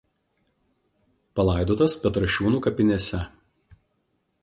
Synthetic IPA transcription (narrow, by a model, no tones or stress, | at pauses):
pɐlˠɐˑɪd̪oːt̪ɐspʲɛt̪ɾɐʃʲuːnuːkɐpʲɪnʲesʲɛ